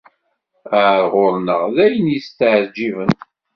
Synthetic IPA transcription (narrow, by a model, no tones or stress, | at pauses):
əʕɾʁʊɾnəʁðæjənjist̪əʕɾd͡ʒːivən